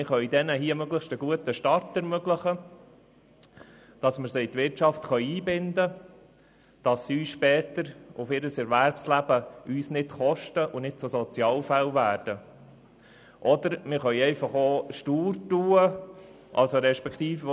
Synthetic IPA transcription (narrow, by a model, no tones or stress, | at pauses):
mɪχœʏdɛnəɦiəmøɡlɪχʃtəɡuət̪əʃtɑɾtɛɾmøɡlɪχə | d̥ɑsməɾsiːt̪ʋɪɾtʃɑftχœʏiːbɪnd̪ə | d̥ɑsːiyːsʃpɛːtəɾʊfɪɾəsɛɾvæɾpslæb̥əyːsnɪtχɔʃtəʔʊnɪd̥̚t͡sʊsɔt͡sjɑːlfælvæːɾd̥ə | ʔɔd̪əɾmɪɾχœʏɛɪfɑχoːʃtuːɾtuːə | ʔɑ̰lsoɾɛʃpɛkt̪iːfə